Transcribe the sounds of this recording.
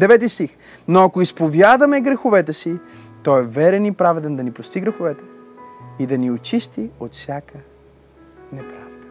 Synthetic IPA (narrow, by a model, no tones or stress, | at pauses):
d̪ɛvɛt̪̬ist̪ix | noɐkoispovjad̪ɐmɛɡɾɛxovɛt̪ɛsi | t̪ɔɛvɛɾɛnipɾavɛd̪ɛnd̪ɐnipɾost̪iɡɾɛxovɛt̪ɛ̥ | id̪ɐniot͡ʃist̪iot̪fsʲjakə | nɛpɾavd̪ə